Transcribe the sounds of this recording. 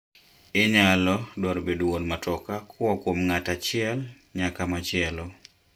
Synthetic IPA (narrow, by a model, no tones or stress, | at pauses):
ɪɲalɔdɔɾbedowonmatɔkakʰwɔkwomŋatat͡ʃɪɛl | ɲakamat͡ʃɪɛlɔ